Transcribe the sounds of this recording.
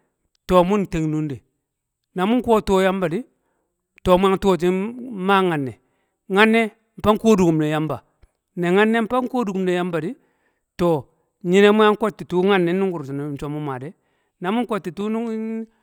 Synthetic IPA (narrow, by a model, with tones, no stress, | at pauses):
to˨mu˦nte˨ŋnu˦nde˨ | na˨mu˦ŋ˦ko˦to˦ja˦mba˨di˦ | to˨mu˦a˦ŋto˦˨t̬i˦ma˦ŋa˨nːɛ˨ | ŋa˦nːɛ˦ | m̩˨pa˦ŋ̩˦ko˦du˨ku˨mne˨ja˦mba˨ | ne˨ŋa˦nːe˦m̩˦pa˦ŋ˦ko˦du˨ku˨mne˨ja˦mba˨di˦ | tɔ˨ | ɲi˦ne˦mu˦ja˦ŋ˦ko˦tːi˨tu˦ŋa˦nːɛ˨˦nu˦ŋɡu˨ɾi˨na˨nt͡ʃo˨˦mu˦ma˨dɛ˦ | na˨mu˦ŋ˦ko˦tːi˨tu˦n˦n